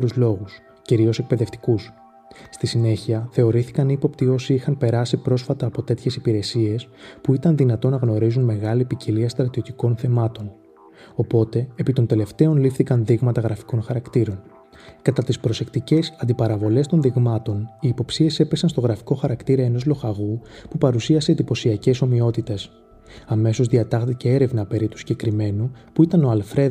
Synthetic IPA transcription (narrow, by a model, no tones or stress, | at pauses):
ɾuzlo̞ɣus | ciɾio̞se̞k̚pe̞ðe̞ft̪i̥kus | st̪isine̞çiɐθe̞o̞ɾiθi̥kɐnipo̞pt̪io̞siixɐnpe̞ɾɐsipɾo̞sfɐt̪ɐːpo̞t̪e̞t̪çe̞sipiɾe̞sie̞spuit̪ɐnðinɐt̪o̞nɐɣno̞ɾizunme̞ɣɐlipiciliɐst̪ɾɐt̪io̞t̪iko̞nθe̞mɐt̪o̞n | o̞po̞t̪e̞ːpit̪o̞nd̪e̞le̞ft̪e̞o̞nlifθikɐnðiɣmɐt̪ɐɣɾɐfi̥ko̞nxɐɾɐkt̪iɾo̞n | kɐt̪ɐt̪ispɾo̞se̞kt̪ice̞sɐnd̪ipɐɾɐvo̞le̞st̪o̞nðiɣmɐt̪o̞niːpo̞psie̞se̞pe̞sɐnst̪o̞ɣɾɐfi̥ko̞xɐɾɐkt̪iɾɐe̞no̞zlo̞xɐɣupupɐɾusiɐse̞d̪ipo̞siɐce̞so̞mio̞t̪it̪e̞s | ɐme̞so̞zðiɐt̪ɐxt̪icee̞ɾe̞vnɐpe̞ɾit̪usiɲɟe̞kɾime̞nupuit̪ɐno̞ɐlfɾe̞